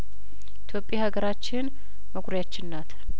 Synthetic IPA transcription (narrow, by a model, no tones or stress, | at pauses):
it̪ʰjo̞pʼːjahaɡəɾat͡ʃːɪn | məkʷʼɾjat͡ʃːɪnːat̪